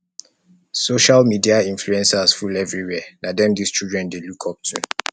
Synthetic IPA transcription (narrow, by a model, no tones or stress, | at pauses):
soʃalmidiaĩnfluɛ̃nsasfulɛvɹiwɛnadɛ̃mdist͡ʃilˠdɹɛ̃ndelukʰɔp̚tʰṵ